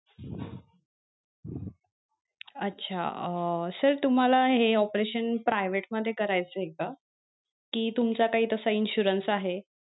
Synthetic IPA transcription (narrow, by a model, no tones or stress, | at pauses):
ətːɕʰa̰əsəɾt̪um̤alaɦeɔpɾeɕənpɾajʋeʈməd̪ʱːjekəɾajt͡səɦeka | kiːt̪umt͡sakaɦiːt̪əsəinɕuɾənsaɦe